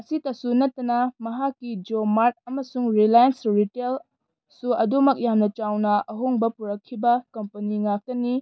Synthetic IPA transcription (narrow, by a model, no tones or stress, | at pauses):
ɐsitɐsunɐtːɐnɐmɐɦakːid͡ʒomaɾt̚ɐmɐsuŋɾilajɐnsɾitel | suɐdomɐk̚jamnɐt͡ʃawnɐʔɐɦoŋbɐpuɾɐkʰːibɐkɐmpɐniŋak̚tɐni